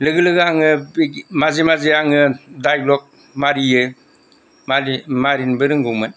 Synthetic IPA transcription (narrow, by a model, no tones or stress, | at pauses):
lɯɡɯlɯɡɯaŋɯbmazemazeaŋɯdajɡlɔk̚ | maɾijɯ | mamaɾinbɯɾɯŋɡuŋmɯn